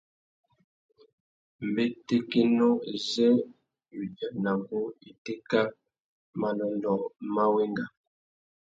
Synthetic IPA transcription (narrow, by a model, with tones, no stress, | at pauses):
m˨be˦te˦ke˦no˦e˨zɛ˦ | wi˨da˦na˨ɡo˦e˨te˦ka˦ | ma˨nɔ˨ndɔ˨ma˦we˦ŋɡa˨